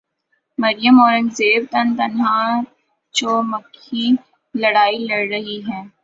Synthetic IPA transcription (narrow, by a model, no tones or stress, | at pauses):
mɐɾɪjəmɔːɾənzeːbt̪ɐnt̪ɐnɦaː | t͡ʃoːmɐkʰːi | lɐɽaːilɐɽɾɐɦiɦɛ̃ː